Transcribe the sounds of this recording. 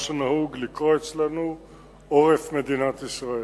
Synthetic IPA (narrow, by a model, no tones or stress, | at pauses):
ʃanahuɡlikʁoet͡slanu | ʔoʁefme̞d̪inat̪isʁae